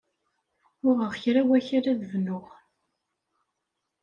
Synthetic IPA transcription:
ʊʁəʁçɾæwæçaɾæðəvnʊʁ

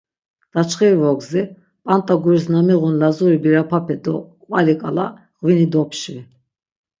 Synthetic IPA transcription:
d̪̥at͡ʃʰχiɾvɔɡzi | pʼant̪ʼaɡuɾisnamiʁunlazuɾibiɾapʰapʰɛd̪ɔ | vʼalikʼala | ʁvinid̪ɔpʰʃi

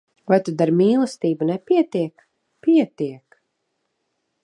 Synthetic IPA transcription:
vajt̪ud̪aɾmiːlˠɨst̪iːbunɛpiɛt̪iɛk | piɛt̪iɛk

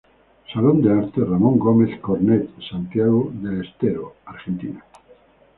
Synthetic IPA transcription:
salond̪eaɾt̪eramõŋɡomeθkoɾnet̪sant̪jaɣoðelest̪eɾoaɾχent̪ina

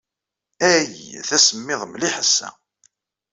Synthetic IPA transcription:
æjḭθæsəmːɪðˤəmliħəsːæ̰

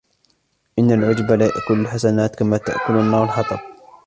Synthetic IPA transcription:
ʔɪnːalʕʊd͡ʒbalajaʔkʊlalħasanaːt̪kamaːt̪a̰ʔkʊlanːaːɣalħɑt̪ˤɑb̚

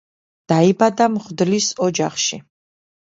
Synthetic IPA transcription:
d̪̥aibad̪amχd̪lisɔd͡ʒaχʃḭ

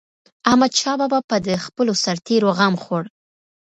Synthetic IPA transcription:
ahmad̪ʃɑbabapəd̪əxpəlosaɾt̪eɾoɣamxoɽ

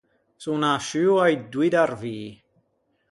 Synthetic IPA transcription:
sunaʃʉwajdwɪdarviː

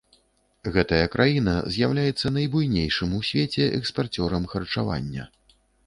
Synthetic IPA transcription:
ɣɛt̪ɐjɐkɾʔajin̪ɐ̰zʲjawlʲajɛt̪sːɐnɐjbujnʲejʂɨmusʲvʲet͡sʲɛʔɛ̰kspart͡sʲɔɾɐmxɐrt͡ʂava̰nʲːɐ̰

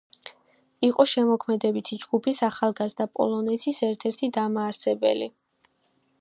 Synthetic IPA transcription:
iqʼɔʃɛmɔkʰmɛd̪ɛbit̪ʰid͡ʒɡupʰisaχalˠɡazd̪apʼɔ̰lˠɔnɛt̪ʰisɛɾt̪ʰɛɾt̪ʰid̪amaːɾsɛbɛ̰li

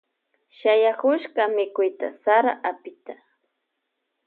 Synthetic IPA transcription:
ʃajakʊʃɢɑmɪkʊjt̪a̰saɾaʔapɪt̪a

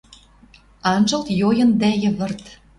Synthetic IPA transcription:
ɑnʒɤ̆lt̪jojɤ̆nd̪æjə̆βɤ̆rt̪

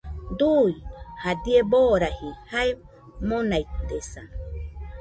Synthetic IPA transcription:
d̪ujhad̪ieboɾahihaj | monait̪esa̰

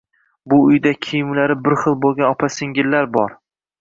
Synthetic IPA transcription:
bʊʊjd̪akʲʰijɪmlaɾɪbɪɾχɨlˠbolˠɡʲanɒpʰasɪŋɡʲɪlːaɾbɒɾ

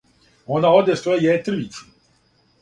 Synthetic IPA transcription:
onao̞d̪est̪ojejet̪ɾ̩ʋit͡ʃu̥

